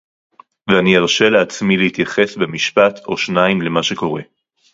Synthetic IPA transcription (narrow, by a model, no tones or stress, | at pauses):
veanieʁʃeleat͡smileit̪jaχe̞sbemiʃpat̪ʰo̞ʃnaimle̞maʃeko̞ʁe̞